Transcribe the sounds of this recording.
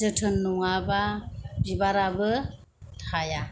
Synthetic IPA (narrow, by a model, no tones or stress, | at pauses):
ɯtʰɯnːuŋababibaɾabɯ | haja